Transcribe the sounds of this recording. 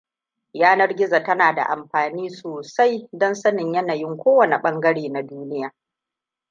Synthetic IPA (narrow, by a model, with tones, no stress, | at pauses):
jaː˦nɐ˦rɡʲɪ˦za˨tɐ˦naː˨da̰˨ʔa̰˨mɸaː˨niː˦soː˨sa˦jdɔ˦nsɐ˦nɪ˨ɲjɐ˦na˨jɪ˦ŋkʷoː˦wɐ˨ne˨ɓɐ˦ŋɡɐ˦ɽeː˨na˨duː˦nɪ˦jaː˨